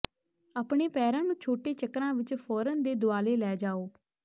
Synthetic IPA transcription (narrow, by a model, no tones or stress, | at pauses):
aːpɳeːpɛːɾãːnũːt͡ʃʰoːʈeːt͡ʃəkɾãːʋɪt͡ʃpʰɔːɾənd̪eːd̪ʊaːleːlɛːd͡ʒaːoː